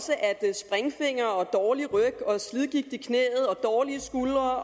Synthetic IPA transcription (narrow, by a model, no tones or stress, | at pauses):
səʔæd̥sb̥ʁɛŋfe̝ŋ̰ɐɒ̽d̥ɒːliʁœɡ̥ɒ̽sliðˠɡ̥iɡ̥̚d̥ikʰnḛːð̞̩ˠɒ̽d̥ɒːliəsɡ̥ulɐ